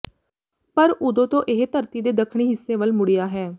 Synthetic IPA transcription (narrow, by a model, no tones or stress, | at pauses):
pəɾʊd̪õːt̪õːʔɪɦt̪əɾt̪iːd̪eːd̪əkʰɳ̃iːɦɪsːẽːʋəlmʊɽijaːɦɛː